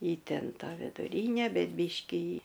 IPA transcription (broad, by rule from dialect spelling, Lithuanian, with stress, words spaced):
ˈjɪ ˈtʲɛn ˈtɑː ʋʲɪdʊˈrʲiːnʲɛ ˈbʲɛt ˈbʲiːʃʲkʲiː